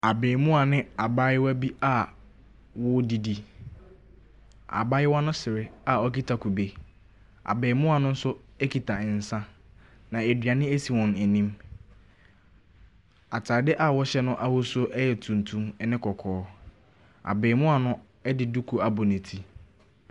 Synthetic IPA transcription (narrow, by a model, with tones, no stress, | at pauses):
a˨beː˨mũ˦a˨nɪ̃˦a˨ba˦jɪ˦wæ˦bi˦a˦˨ | wɔ˦di˨di˨ | a̰˨ba˦jɪ˦wa˦nʊ̃˦sɪ˨ɾɪ˦a˨ɔ˦ki˦tʰa˨kʰu˨be˨ | a̰˨beː˨mʊ̃˦a˨nʊ̃˦n̩˦sʊ˦ɛ˦kʰi˨tʰa˨ɪ˨n̩˨sã˦ | nã˨e˨dɥa˨nɪ̃˦e˦si˨wɔ̃˨n˨æ˨nĩ˦m | a˨tʰaː˨dɪ˦ʔa˨wɔ˦ɕɛ˦nʊ̃˦ʔa˦hʊ˦sʊ˦ʔɛ˦jɛ˨tʰũ˨ntʰũ˦mɛ˦nɪ̃˦kʰɔ˨kʰɔː˨˦ | a̰˨bɛː˨mʊ̃˦a˨nʊ̃˦ | ɛ˦dɪ˨du˦kʰu˨a˨bʊ˨nɪ̃˨tʰi˦